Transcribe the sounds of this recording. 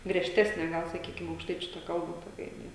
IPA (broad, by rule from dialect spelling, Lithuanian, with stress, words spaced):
ɡrʲiɛʃʲˈtʲæːsʲnʲɛ ˈɡɐlˠ sɐˈkʲiːkʲɪm ɐʊkʃˈtɐɪt͡ʃʲʊ tɐ ˈkɐlˠbɐ toːˈkʲɛ jɪˈnɐɪ